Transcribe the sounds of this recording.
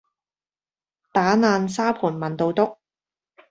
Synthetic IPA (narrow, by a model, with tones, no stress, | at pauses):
t̪aː˨˥naː˨˧nsaː˥pʰuː˨˩nmɐ˨nt̪o˨wt̪ʊ˥k̚